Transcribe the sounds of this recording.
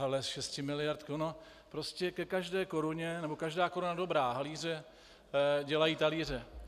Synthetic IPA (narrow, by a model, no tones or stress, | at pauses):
ɦɛlɛsʃɛscɪmɪlɪjaɾt̪kono | pɾoscɛkɛkaʒdɛːko̞ɾuɲɛnɛbo̞kaʒdaːkoɾunado̞bɾaːɦaliːr̝ɛ | ɟɛlajiːt̪aliːr̝ɛ